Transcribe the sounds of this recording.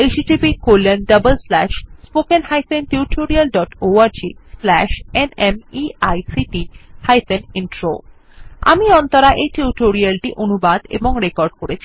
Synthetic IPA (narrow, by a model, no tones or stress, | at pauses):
eʃiʈipikoɾlenɖəbəlslɛʃspokenhajpʰenʈiuʈʰoɾialɖɔʈoaɾd͡ʑislɛʃenemiajsiʈihajfeninʈɾo̰ | a̰miɔnt̪oɾaʔejʈiuʈoɾialʈiʔonubad̪ḛboŋɾekɔɾɖkoɾet͡ɕʰi̥